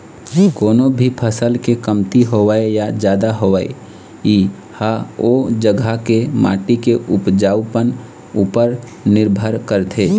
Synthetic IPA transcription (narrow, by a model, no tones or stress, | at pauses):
koːnobʱipʰəsəlkekəmt̪iɦoʋaejad͡ʒjaːd̪aɦoʋaḛ | i | haod͡ʒəɡʱakema̰ːʈikeʔʊpd͡ʒaːwpən | uːpəɾ | nɪɾbʱəɾkəɾt̪ʰeː